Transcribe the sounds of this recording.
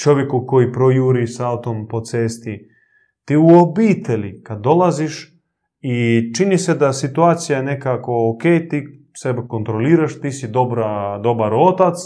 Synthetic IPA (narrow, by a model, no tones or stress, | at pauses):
t͡ʃo̞ʋjekuko̞jipɾojuːɾisaut̪o̞mpo̞t̪seːst̪i | t̪iːuobiːt̪e̞ʎikad̪ːo̞laziʃ | it͡ʃinised̪asit̪uaːt̪sijajene̞kako̞okejt̪iː | sebeko̞nt̪ɾo̞liːɾaʃt̪iːsid̪obɾad̪o̞baɾo̞t̪at̪s